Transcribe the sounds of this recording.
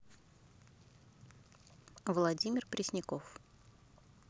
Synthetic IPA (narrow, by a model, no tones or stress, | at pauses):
vlˠɐdʲimʲɪrpɾʲɪsʲnʲɪkof